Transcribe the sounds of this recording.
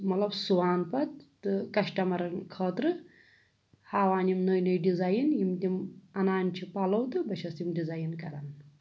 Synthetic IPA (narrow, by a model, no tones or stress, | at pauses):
mɐt̪lɐbsuʋaːnpɐt̪t̪ɨkɐʃʈɐmɐɾɐnkʰəːt̪ɾɨ | haːʋaːnimnəjnəjɖizaːjinjimt̪imɐnaːnt͡ʃʰipɐlɐwt̪ɨbɐʃʰɐsimɖizaːjinkɐɾɐn